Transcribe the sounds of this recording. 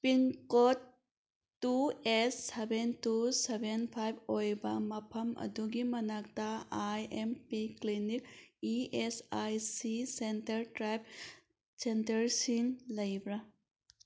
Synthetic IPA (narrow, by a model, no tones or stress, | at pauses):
piŋkotː | uesːebʱentusebʱenpʰajbojbɐmɐpʰɐmɐ̰duɡimɐnak̚taajempiklinik̚iesajsisentɐɾtɾajb̚ | sentɐɾsiŋlɐjbɾa